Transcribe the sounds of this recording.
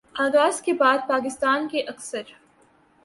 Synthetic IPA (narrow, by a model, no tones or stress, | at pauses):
aːɣaːzkebaːd̪̚paːk̬ɪst̪aːnkeʔɐksəɾ